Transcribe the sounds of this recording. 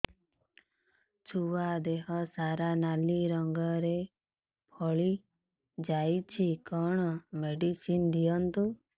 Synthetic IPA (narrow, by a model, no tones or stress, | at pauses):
t͡ʃʰuwad̪eɦɔsaɾanaliɾɔŋɡɔɾe | pʰɔɭi | d͡ʒajt͡ʃʰikɔɽ̃ɔmeɖisind̪ijɔnt̪u